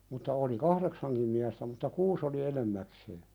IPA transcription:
mutːɑ oli kɑhɾeksɑŋkim miæstæ mutːɑ kuːs oli enemːækseː

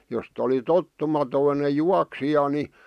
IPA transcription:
jost oli totːumɑtoine juɑksijɑ ni

